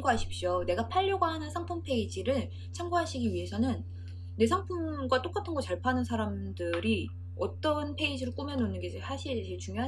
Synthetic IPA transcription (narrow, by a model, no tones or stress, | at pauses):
ŋɡuɦaɕʰi̥p̚ɕ͈one̞ɡapʰaʎːoɡwaɦanɯnsʰaŋpʰumpʰe̞id͡ʑiɾɯɭ | t͡ɕʰaŋɡuɦaɕʰiɡiɥiɦe̞sʰʌnɯnː | e̞sʰaŋpʰumɡwat͈ok͈atʰɯnɡʌt͡ɕaɭpʰanɯnsʰaɾamdɯɾi | ʌt͈ʌnpʰe̞id͡ʑiɾoɭk͈umjʌnonːɯnɡe̞t͡ɕesaɕʰiɭt͡ɕeɭt͡ɕuŋjoɦa